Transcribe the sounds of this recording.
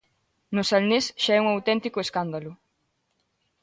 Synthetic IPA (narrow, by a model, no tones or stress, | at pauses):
nosalnesʃaɛuŋawt̪ɛnt̪ikoeskand̪alʊ